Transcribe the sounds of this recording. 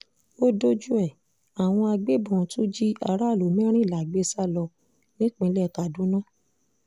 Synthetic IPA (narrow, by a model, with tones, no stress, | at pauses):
o˦do˦d͡ʒu˦ɛ˦˨ | a˨w̃ɔ̃˧a˧ɡ͡be˦bɔ̃˦˨tu˦d͡ʒi˦a˧ɾa˦˨lo˨mĩ˦ɾ̃ĩ˦˨la˨ɡ͡be˦sa˦lɔ˧ | nĩ˦k͡pĩ˧˦lɛ˦˨ka˨dũ˨˦nã˦˨